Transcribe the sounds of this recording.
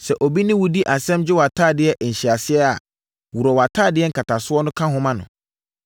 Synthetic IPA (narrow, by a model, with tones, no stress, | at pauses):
sɛ˨ʔo˨bi˦nɪ̃˦wu˦di˦ʔa˨sɛ̃˦md͡ʑɪ˦wa˨tʰaː˦˨dɪ˨˦ɛ˦ʔn̩˨ɕɪ˨a˨sɪ˦ɛ˦a̰˨ | wu˨ɾɔ˨wa˨tʰaː˦˨dɪ˦ɛ˦ŋ̩˨kʰa˨tʰa˨sʊ˦ɔ˦nʊ̃˦kʰã˦ɦʊ̃˦mã˦nʊ̰̃˨